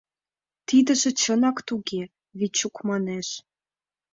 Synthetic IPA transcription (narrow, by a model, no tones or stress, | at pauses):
t̪id̪ə̆ʒĕt͡ɕənɑkt̪uɣe | βit͡ɕukmɑneʃ